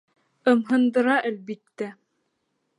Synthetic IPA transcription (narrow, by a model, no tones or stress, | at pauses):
ɤ̆mɦɤ̆nd̪ɤ̆ɾɑʔælbit̪ːæ